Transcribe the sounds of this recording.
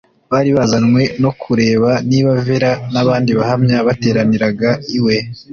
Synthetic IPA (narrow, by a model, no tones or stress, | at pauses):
βaːɾiβazanŋwe̞no̞kʰuɾe̞ːβaniːβave̞ɾanaβaːndiβahamɲaβate̞ːɾaniɾaɡaiwe̞